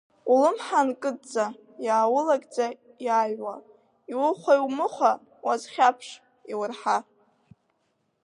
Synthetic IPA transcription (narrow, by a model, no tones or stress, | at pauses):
ulɨmħankʼɨd̚d͡za | jaːwʊlakʼd͡zʼa | jaːjwa | iwʊχʷajwmɨχʷa | wazχʲapʰʂ | iwʊrħa